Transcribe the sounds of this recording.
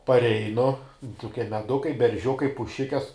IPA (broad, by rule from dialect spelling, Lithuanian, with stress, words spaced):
pɐrʲˈɛɪnʊ tʊˈkʲiɛ mʲɛˈdʊkɐɪ bʲɛrʲˈʒʲʊkɐɪ pʊˈʃʲɪkʲɛs